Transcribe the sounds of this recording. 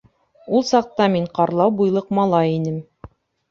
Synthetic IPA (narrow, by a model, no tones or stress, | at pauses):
ulˠsɑq̚t̪ɑmiɴqɑɾlˠɑwbujlˠɤqmɑlˠɑjinɘm